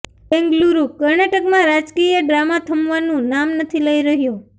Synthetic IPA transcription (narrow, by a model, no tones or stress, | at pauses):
bɛ̃ŋɡluɾukəɾnaʈəkmãɾad͡ʒkijəɖɾamat̪ʰəmʋanũnamnət̪ʰiləiɾəɦjũ